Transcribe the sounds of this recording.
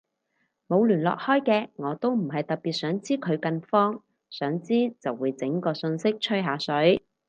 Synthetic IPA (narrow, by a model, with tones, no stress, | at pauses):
mo˨˧wlyː˨˩nlɔ̰ː˨k̚hɔː˥jkɛː˧ŋɔː˨˧t̪o˥wm̩˨˩ɦɐ˨jt̪ɐ˨t̚piː˨t̚sœː˨˥ŋt͡siː˥kʰɵ˨˧ɥkɐ˧nfɔː˥ŋ | sœː˨˥ŋt͡siː˥t͡sɐ˨˩wːuː˨˧jt͡sɪ˨˥ŋkɔː˧sɵ˧nsɪ˥k̚t͡ʃʰɵ˥ɦaː˨˧sɵ˨˥ɥ